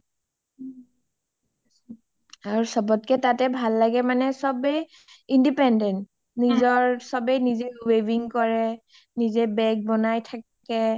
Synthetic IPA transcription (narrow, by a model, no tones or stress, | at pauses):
aɹusɔbɔtkɛtatɛbʱalːaɡɛmanɛsɔbɛj | indipɛndɛnt | nizɔɹsɔbɛjnizeɹweviŋkɔɹɛ | nizɛbɛɡ̚bɔnajtʰakɛ